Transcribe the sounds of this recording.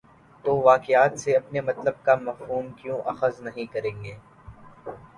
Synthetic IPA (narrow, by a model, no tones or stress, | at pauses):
t̪oːʋaːkɪjaːt̪seɐpnemɐt̪ləb̚kamɐfɦuːmkjõːʔɐxəznɐɦĩkɐɾẽːŋɡeː